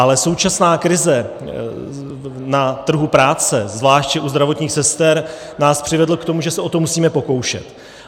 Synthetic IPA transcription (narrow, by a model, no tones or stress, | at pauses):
ʔalɛso̞wt͡ʃasnaːkɾɪzɛ | nat̪r̩ɦupɾaːt͡sɛzvlaːʃtcɛʔuzd̪ɾavo̞t̪ɲiːxsɛst̪ɛɾ | naːspr̥ɪvɛdl̩kt̪o̞muʒɛsɛʔo̞t̪o̞musiːmɛpo̞ko̞wʃɛ̰t̪